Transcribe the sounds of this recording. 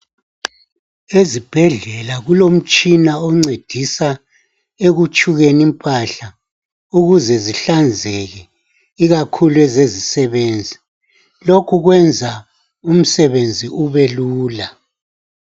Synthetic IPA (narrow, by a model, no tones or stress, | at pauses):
ezib̥ʱɛɮɛlaɣulom̩t͡ʃʼinaɔŋ͡ǀed̥ʱisa | eɣut͡ʃʼuɣenimpʼaɬa | uɣuzɛziɬand͡zʱɛɣɛ | iɣakʰuluɛzezisɛβeːnd͡zʱi | lokʰuɣwɛnd͡zʱa | um̩sɛβend͡zʱiuβeluːla